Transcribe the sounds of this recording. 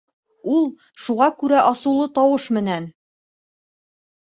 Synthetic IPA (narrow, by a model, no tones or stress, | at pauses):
ulˠ | ʃuʁɑkʉɾæʔɒsɤ̆wlˠɤt̪ɒwɤʃmɘ̆næn